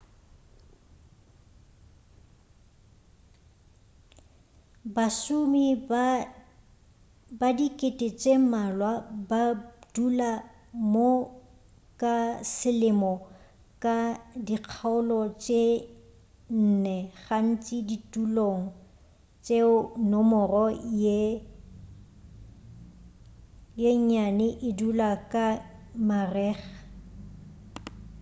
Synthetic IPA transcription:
basʊmi | badikʼɪtʼɪt͡ʃʼemalwabadula | mo | kʼasɪlɪmɔ | kʼadiq͡χʰaʊlɔt͡ʃʼe | n̩nɛχan̩t͡ʃʼiditʼuloŋ̩ | t͡ʃʼeʊnɔmɔrɔje | jeɲanɪʔɪdulakʼamarɛːχḁ

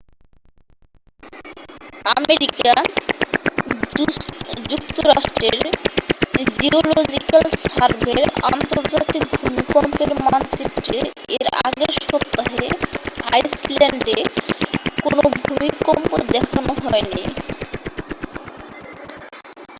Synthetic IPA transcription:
ameɾika | d͡ʑuk̚t̪oɾaʃʈɾeɾ | d͡ʑiolod͡ʑikalsaɾbʱeɾa̰nt̪oɾd͡ʑat̪ik̚bʱumikɔmpeɾmanseʈe | eɾaɡeɾʃɔpt̪ːaɦeajslɛɳɖe | konobʱumikɔmpod̪ɛkʰanoɦɔeni

